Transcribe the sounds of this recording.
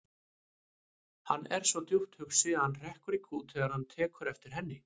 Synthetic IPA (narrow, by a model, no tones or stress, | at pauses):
hanːɛɾ̥svɔt̪juht̪hʏksɪðanr̥ɛhkʏɾikʰuːt̪ʰɛːɣaɾ̥hant̪ʰɛːkʏɾɛft̪ɪɾ̥ɦɛnːɪ